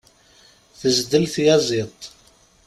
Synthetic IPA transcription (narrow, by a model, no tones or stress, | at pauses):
θəzd̪əlθjæzˤit̪ˤ